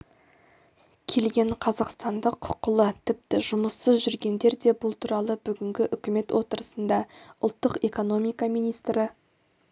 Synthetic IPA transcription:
kʲʰe̞lɡʲe̞ɴqʰɑzɑqst̪ɑnd̪əqʰːʊ̥qːʊlˠət̪ʰɪp̚t̪ɪʒʊməsːəzʒʏɾɡʲe̞nd̪e̞ɾd̪e̞bʊlˠt̪ʰuɾɑlˠəbʏɡʲɪŋɡʲɪʔʏkʲɪme̞t̪wʔo̞t̪əɾəsənd̪ɑʊ̰lˠt̪ːəqe̞ko̞no̞mijkɑmijnijst̪ɾɪ

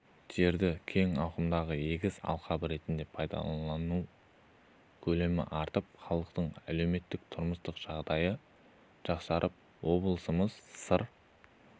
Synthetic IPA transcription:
ʒ̥e̞ɾd̪ɪkʲʰe̞ŋɑwqəmd̪ɑʁəje̞ɡʲɪzɑ̰lˠqɑbəɾe̞t̪ɪnd̪e̞pʰɑjd̪ɑ̰lˠɑnu | kʲʰɵle̞mɪ̰ʔɑɾt̪əp̚χɑlˠəqt̪əɴæ̰le̞wme̞t̪ːɪk̚t̪ʰʊɾməst̪əqʒ̥ɑʁd̪ɑjə | ʒ̥ɑqsɑɾʔəp̚ | wo̞blˠəsəməz̥səɾ

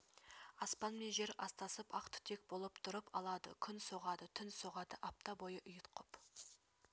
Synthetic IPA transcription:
ɑspɑnmenʒe̞ɾɑst̪ɑsəpɑqt̪ʰʏ̥t̪e̞k̚bolˠəpt̪ʰʊɾəpʰɑlˠɑd̪ə̰kʲʰʏnso̞ʁɑd̪ət̪ʰʏnso̞ʁɑd̪əʔɑp̚t̪ɑbo̞jəʔʊjət̪qʰʊp

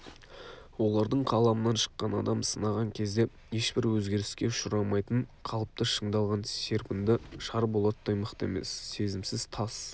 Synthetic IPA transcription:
wo̞lˠɑɾd̪əɴqʰɑlˠɑmənɑnʃə̥qːɑnɑd̪ɑmsənɑʁɑŋkʲʰe̞zd̪e̞ | je̞ʃbɪɾwɵzɡʲe̞ɾɪ̥skʲe̞ʊʃʊɾɑmɑjt̪əɴqʰɑlˠəp̚t̪əʃəɴd̪ɑlˠʁɑnsʲeɾpɪnd̪ɪʃɑɾbo̞lˠɑt̪d̪ɑjməqt̪e̞̰me̞̰sːe̞zɪmsɪz̥t̪ʰɑs

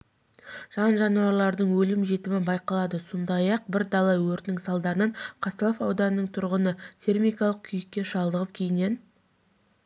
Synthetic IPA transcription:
ʒ̥ɑnʒɑnuwɑɾlˠɑɾd̪əɴwɵlɪmʒe̞t̪ɪmɪbɑjqɑlˠɑd̪əso̞nd̪ɑjɑq̚bɪɾd̪ɑlˠɑwɵɾt̪nɪŋsɑlˠd̪ɑɾənəɴqʰɑst̪ɑlˠofɑwd̪ɑnənəɴt̪ʰʊɾʁənət̪ʰʲe̞rmʲijkɑlˠəq̚kʲʰʏjɪkʲːe̞ʃɑlˠd̪əʁəp̚kʲʰe̞jɪne̞n

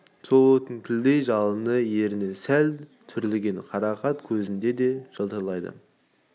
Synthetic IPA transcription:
so̞lˠwɵt̪ənt̪ʲʰɪld̪ejʒɑlˠənəje̞ɾɪnesælt̪ʰʏɾlɪɡʲe̞ɴqʰɑɾɑqɑt̪kʲʰɵzɪnd̪e̞d̪e̞ʒ̥əlˠt̪əɾlˠɑjd̪ə̰

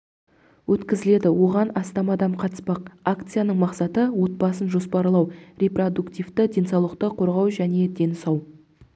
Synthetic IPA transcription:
wɵt̪kʲɪzɪle̞d̪ɪwo̞ʁɑnɑst̪ɑmɑd̪ɑmqʰɑt̪ə̥spɑqakt̪sɨjanəɴmɑqsɑt̪əwo̞t̪̚pɑsənʒo̞spɑɾlˠɑwrʲe̞pro̞d̪ukt̪ivt̪ɪd̪ʲe̞nsɑwlˠəq̚t̪əqʰo̞ɾʁɑwʒæne̞d̪e̞nɪsɑw

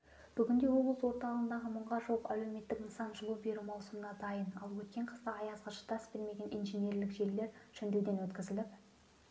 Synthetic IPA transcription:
b̥ʏɡʲɪnd̪e̞wo̞blˠəswo̞ɾt̪ɑlˠənd̪ɑʁəmʊɴʁɑʒowəqæwle̞wme̞t̪ːɪkənsɑnʒʊlˠube̞ɾumɑwˠsʊmənɑd̪ɑjənɑlˠwɵt̪̚kʲe̞ɴqʰəst̪ɑɑjɑzʁɑʃə̥t̪ɑsbɪlme̞ɡʲe̞nʔijnʒenje̞ɾlɪkʒe̞ɾle̞ɾʃʏnd̪ewd̪e̞nwɵt̪kʲɪzɪlɪp

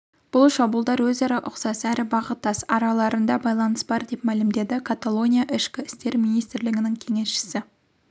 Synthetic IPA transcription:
b̥ʊlˠʃɑbulˠd̪ɑɾwɵzɑɾɑʔʊqsɑsæɾɪbɑʁət̪ːɑsɑ̰ɾɑlˠɑɾənd̪ɑbɑjlˠɑnəsbɑɾd̪e̞pmælɪmd̪e̞d̪ɪkʰat̪alˠo̞nʲijaʔɪʃkʲɪɪst̪e̞ɾmijnijst̪ɪɾlɪɡʲɪnɪŋkʲʰe̞ŋe̞sʃɪ̥sɪ

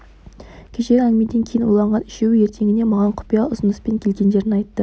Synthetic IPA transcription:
kʲʰeʃe̞ɾæŋme̞d̪e̞ŋkʲʰe̞jɪnwolˠɑɴʁɑnɪ̥ʃewɪje̞ɾt̪ʰe̞ŋʲɪne̞mɑʁɑɴqʰʊ̥pijɑʊzənəspe̞ŋkʲʰe̞lɡʲe̞nd̪e̞ɾɪnɑjt̪ːə

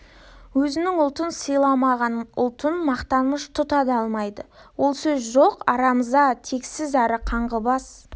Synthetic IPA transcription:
wɵzɪnɪŋʊlˠt̪ənsəjlˠɑmɑʁɑnʊlˠt̪ənmɑqt̪ɑməʃt̪ʰʊt̪ɑd̪ɑlˠmɑjd̪əwo̞lˠsɵzʒoqɑɾɑməzd̪ɑt̪ʰe̞ksɪzæɾɪqʰɑɴʁəbɑs

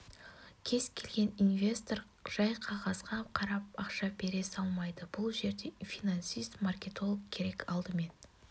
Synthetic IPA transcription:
kʲʰe̞zkʲʰe̞lɡʲe̞ninvʲe̞st̪o̞r | ʒ̥ɑjqʰɑʁɑzʁɑqʰɑɾɑp̚ɑqʃɑbe̞ɾe̞sɑlˠmɑjd̪əbʊlˠʒe̞ɾd̪e̞fʲijnansijst̪markʲe̞t̪o̞lˠəkkʲʰːe̞ɾe̞kɑlˠd̪əme̞n

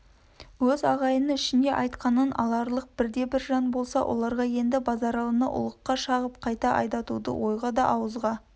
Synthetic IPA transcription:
wɵzɑʁɑjənəɪʃɪnd̪e̞ʔɑjt̪qɑnənʔɑ̰lˠɑɾlˠəq̚b̥ɪɾd̪e̞bɪɾʒɑnbo̞lˠsɑ̰wʔo̞̰lˠɑɾʁɑje̞nd̪ɪbɑzɑɾɑlˠənə̰ʔʊ̰lˠəqːɑʃɑʁəp̚qʰɑjt̪ɑʔɑ̰jd̪ɑt̪ud̪ə̰wʔo̞jʁɑd̪ɑʔɑwəzʁɑ

